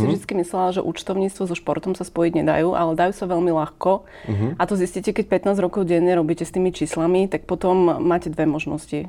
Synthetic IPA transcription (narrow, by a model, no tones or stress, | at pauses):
sivʒd̪it͡skimislɛlʒɛ̰ʔṵt͡ʃt̪ɔʊɲiːt͡st̪ʋɔzɔʃpɔɾt̪ɔmsaspɔjiɟɲɛd̪a̰juːʔa̰lɛd̪ajuːsaʋɛʎmilaxkɔ | ʔat̪ɔziscicɛkɛc̚pɛt̪naːzɾɔkɔʊɟɛɲːɛɾɔbiːcɛst̪iːmit͡ʃiːslamit̪ak̚pɔt̪ɔmːaːcɛd̪ʋɛmɔʒnɔ̰sci